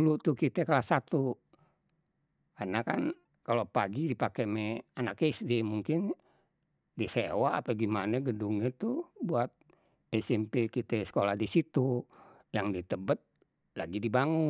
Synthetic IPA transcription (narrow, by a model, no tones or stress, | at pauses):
ulut̪ukit̪ɛkalasat̪u | anakan | kalopaɡidipakɛmɛanakeisdɛmuŋkin | disewa̰ːpəɡimanaɡəduŋɲɛt̪ubuat̪̚ | ɛsɛmpekit̪ɛsə̥kolahdisit̪u | jaŋdit̪əbət̪̚ | laɡidibaŋu